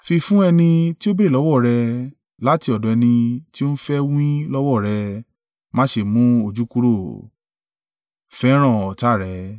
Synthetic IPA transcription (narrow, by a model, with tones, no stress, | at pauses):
fi˧fũ˦ɛ˧nĩ˧ti˦o˦be˦e˦˨ɔ˨˦wɔ˦˨ɾɛ˧ | la˦ti˧ɔ˨dɔ̃˨ɛ˧nĩ˧ti˦o˦fɛ˦wĩ˦lɔ˦wɔ˦˨ɾɛ˧ | mãː˦ʃe˧˨mũ˦o˧˨d͡ʒu˨˦ku˦ɾo˦˨ | fɛ˦ɾ̃ã˦˨ɔ˨ta˦˨ɾɛ˨˧˦